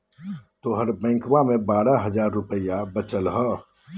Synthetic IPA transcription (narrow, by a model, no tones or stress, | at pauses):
t̪oːɦəɾbɛ̃ːŋkʋamẽbaːɾaɦəd͡ʒaːɾːʊpəjabət͡ʃəlɦə